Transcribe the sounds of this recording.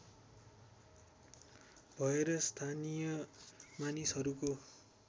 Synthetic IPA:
bʱʌeɾʌst̪ʰanijʌmanisʌɾuko

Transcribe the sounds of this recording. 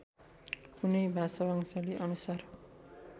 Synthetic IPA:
kunʌjbʱasʌwaŋsʌliʔʌnusar

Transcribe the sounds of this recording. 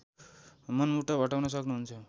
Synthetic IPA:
mənmuʈːabʱəʈawnʌs̬ʌknuɦunt͡sʰʌ

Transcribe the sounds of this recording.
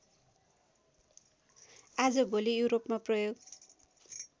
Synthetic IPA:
ad͡zʌbolijuwɾopmaprʌjoɡ

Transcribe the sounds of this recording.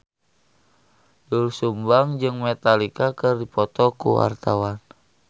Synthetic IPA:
dulsumbaŋd͡ʒɨŋmɛt̪alikakɨrdipɔt̪ɔkṵwa̰rt̪awan

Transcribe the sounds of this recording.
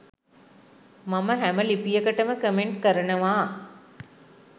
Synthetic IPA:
maməɦæməlipijəkəʈəməkəmeɳʈkəɾənəʋaː

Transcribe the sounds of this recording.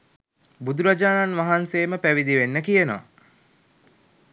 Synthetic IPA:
bud̪uɾad͡ʒaːnanʋaɦanseːməpæʋid̪iʋenːəkijənoʋa̰

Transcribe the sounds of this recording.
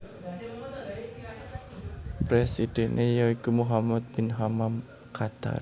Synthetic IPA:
pɾesid̥ɛnʔejaikumuɦamat̪̚binɦamam | kʰat̪a̰r

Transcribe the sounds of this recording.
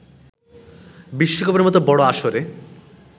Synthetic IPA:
biʃːokɔpoɾeɾmɔt̪obɔɽoaʃoɾe

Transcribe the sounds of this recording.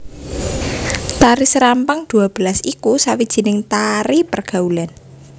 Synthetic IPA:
t̪aɾisɾampaŋd̪̥ṳab̥əlasikusawid̥ʒ̥i̤nɪŋt̪aɾipərɡ̥a̤ulan

